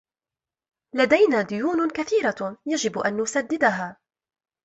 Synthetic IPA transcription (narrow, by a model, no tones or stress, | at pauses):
lad̪ajnaːd̪ʊjuːnkaθiːɾajad͡ʒɪbʔanːʊsad̪ːɪd̪aɦaː